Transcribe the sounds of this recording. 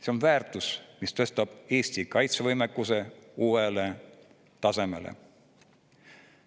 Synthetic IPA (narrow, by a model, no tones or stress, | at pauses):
se̞o̞nvæːrt̪ˑusmist̪ɤ̞st̪ɑb̥e̞ːsʲt̪ikɑjt̪sevɤjmekːuse̞uːele̞ | t̪ɑse̞me̞̰lḛ